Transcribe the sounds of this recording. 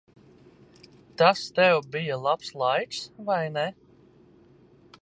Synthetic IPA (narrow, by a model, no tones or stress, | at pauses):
t̪ast̪ɛwbijalˠapslˠajksvajnɛ